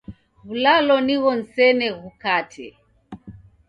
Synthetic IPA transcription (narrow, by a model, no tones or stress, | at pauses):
βulalɔniɣɔn̩sɛnɛɣukatʰɛ